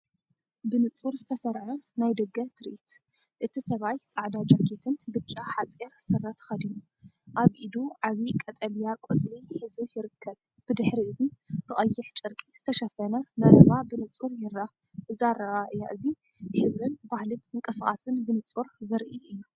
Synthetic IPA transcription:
bɨnɨt͡sʼuɾzɨt̪ʰɐsɐɾʕunajd̪ɐɡɐt̪ʰɨɾʔit̪ | ʔɨt̪ʰisɐβajt͡sʼaʕd̪ad͡ʒʼakʰet̪ʰɨnbɨt͡ʃʼːaħat͡sʼeɾsɨrːɐt̪xɐd̪inu | ʔaβʔid̪uʕaβikʼɐt̪ʼɐljakʼot͡s̪ʼliħɨzujɪɾɨkʰːɐβ | b̥ɨd̪ɨħɾiɨzib̥ɨχʼɐjːɪħt͡ʃʼɨɾkʼiz̥ɨt̪ʰɐʃɐfɐnɐnɐɾɨβabɨnɨt͡sʼuɾjɪra | ɨzaɾɐʔaʔɨjːaʔɨzi | ħɨβɾɨnbahlɨnɨŋkʼɐsχʼasɨnbɨnɨt͡sʼuɾzɐɾʔiɨjːu

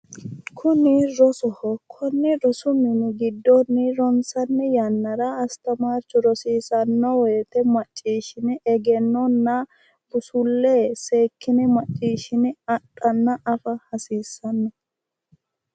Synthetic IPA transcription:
kʰʊnɪɾɔsɔhɔkʰɔnːɪɾɔsʊmɪnɪɡɪd̪ːɔnːɪɾɔnsɐnːɛjɐnːɐɾɐɐst̪ɐmaːɾt͡ʃːʊɾɔsiːsɐnːɔwɛːt̪ɛmɐt͡ʃʼːiːʃɪnɪʔɛɡɛnːɔnːɐ | b̥ʊsʊlːeːseːkːɪnɪmɐt͡ʃʼːiːʃɪnɪɐɗʼːɐnːɐʔɐfɐhɐsiːsːɐnːɛ

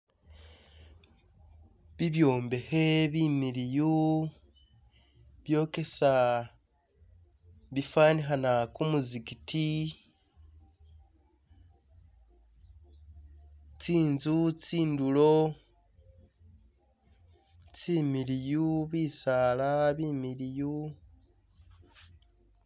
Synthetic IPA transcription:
βiβjo̞ːmbe̞he̞βimiɾiju | βjo̞ːke̞sa | βifaːniɦanakumuzikitʰi | t͡siːnzut͡siːndulo̞ | t͡simiɾijuβiːsalaβiːmiɾiju

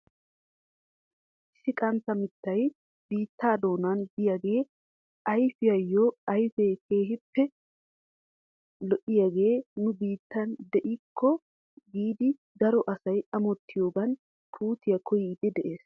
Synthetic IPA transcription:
ʔɪsːɪkʼɐnt̪ɐmɪt̪ːɐj | biːt̪ːaːd̪o̞ːnand̪ɪjaɡe̞ː | ʔɐjfɪjɐjːoːɐjfɛjke̞ːɦɪpːɛ | lɔʔɪjaɡe̞ːnʊbiːt̪ːɐnd̪ɛʔɪkʰːɔ | ɡiːd̪ɪ | ɡ̪ɐɾɔʔɐsɐjɐmɔt̪ʰːɪjo̞ːɡɐn | pʰuːt̪ɪjɐkʰɔjɪːd̪ɛd̪ɛʔe̞ːs

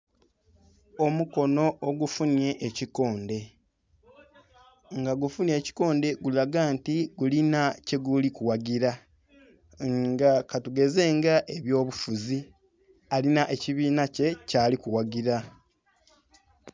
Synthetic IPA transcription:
o̞muko̞no̞ʔoɡufunje̞ʔːciko̞ːnde̞ | ŋɡaɡufunje̞ːci̥ko̞ːnde̞ɡulaɡaːntiɡulinace̞ɡulikuwaɡiɾa | ŋɡakatuɡe̞ze̞ːŋɡaʔe̞βjo̞ːβufuzi | alinaʔe̞ciβiːnace̞caːlikuwaɡiɾa

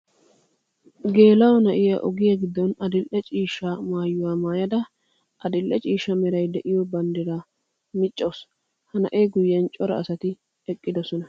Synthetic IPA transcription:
ɡe̞ːlɐwɔnɐʔɪjɐʔɔɡɪjɐɡɪd̪ːɔnɐd̪ɪlʔɛt͡ʃʼiːʃːamaːjːʊwaːmaːjɐd̪ɐ | ʔɐd̪ɪlʔɛt͡ʃʼiːʃːɐmɛɾɐjd̪ɛʔɪjɔbɐnd̪ɪɾaː | mɪt͡ʃʼːows | hɐnɐ̰ʔeːɡʊjːɛnt͡ʃʼɔɾɐ̰ːsɐt̪ɪ | ɛkʼːɪd̪ɔsɔnɐ

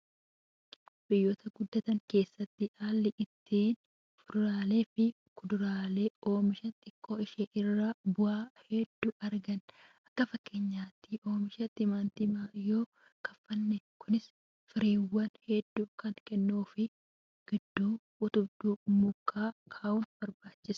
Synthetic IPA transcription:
bɪjːoːt̪ɐɡʊd̪ːɐt̪ɐŋke̞ːsːɐt̪ːɪʔaːlːɪʔɪt̪ʰːiːn | fʊd̪ʊɾaːleːfɪ | kʊd̪ʊɾaːle̞ːo̞ːmɪʃɐt̪ʼɪkʰʼːo̞ːɪʃeːʔɪrːabʊaːhɛd̪̥ːuːʔɐɾɡɐnʔɐkːɐfɐkːeːɲːaːt̪ːɪʔo̞ːmɪʃɐt̪ːɪmaːnt̪ɪmaːɪjoː | kɐfːɐnːɛkʊnɪs | fɪɾeːwːɐnhɛd̪ːuːkɐnkɛnːuːfɪ | ɡ̥ɪd̪ːuː | ʔʊt̪ʊbd̪uːmʊkʰːaːkʰaːʔʊnb̥ɐɾbaːt͡ʃːɪs

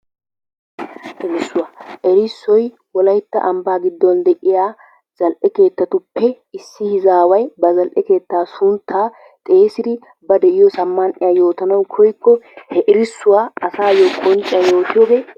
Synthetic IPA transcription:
ʔɪmɪsːʊwaːʔɛɾɪsːɔj | wɔlɐjt̪ːɐ̰ʔɐmbaːɡɪd̪ːɔnd̪ɛʔɪjaː | z̥ɐlʔɛke̞ːt̪ːɐt̪ʊpːɛ | ɪsːɪhɪzaːwɐjbɐzɐlʔɛke̞ːt̪ːaːsʊnt̪ʰːaː | t̪ʼeːsɪd̪ɪ | bɐd̪ɛʔɪjɔsɐmːɐnʔɪjajo̞ːt̪ɐnɐwkʰɔjkːɔhɛʔɪɾɪsːʊwaːɐsaːjɔkʼɔnt͡ʃʼɪjɐjo̞ːt̪ɪjɔːɡeː

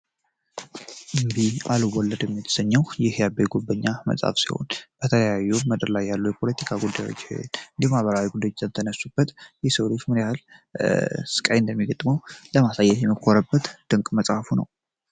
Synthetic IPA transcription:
ʔɨmbialwɔlːəd̪jɛmːit̪ʰɨ̥səɲːəwjɪhjabejɡobːəɲːamə̰sʼa̰fsḭho̞̰nb̥ət̪ʰələjajːuməd̪əɾlajːalːujɛpʰo̞lət̪ʰi̥kʰaɡud̪ːajo̞̰t͡ʃːhnɨnd̪ihmaβəɾawiɡud̪ajt͡ʃt̪ʰənəsːub̥ːət̪jɛsəwlot͡ʃːmɨɾjahal | sɨ̥kʼajɨnd̪əmːiɡət̪ʼməwləmasajːɛt̪jɛmːikʰʼoɾəbːət̪d̪̥ɨŋkʼməsʼhafunə̰w

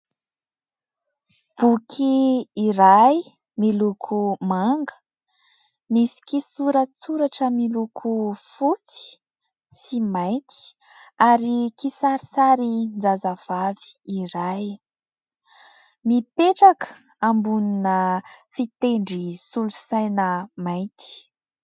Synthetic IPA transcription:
b̥ukʰiːɾaj | milukʰumaŋɡə̥ | misi̥kisuɾət͡suɾaʈ͡ʂəmilukʰufut͡si̥ | simajnt̪i̥ | aɾikisaɾisaɾind͡zazav̥avi̥ːiɾaj | mipeʈ͡ʂakə̥ | ambuninəfit̪eɳɖ͡ʐisulusajnəmajt̪i̥

